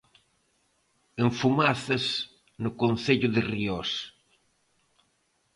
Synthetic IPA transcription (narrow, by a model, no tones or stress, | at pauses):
eɱfumaθɐs | nʊkon̟θeʎʊðɪrios